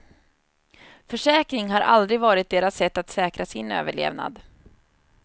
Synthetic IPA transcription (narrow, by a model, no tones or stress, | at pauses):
fœʂɛːkɾɪŋɦaɾʔa̰ld̪ɾɪɡvɑːɾɪt̪̚d̪eːɾasːɛt̪ːat̪sɛːkɾasɪnø̰ːvəɭḛːvna̰d̪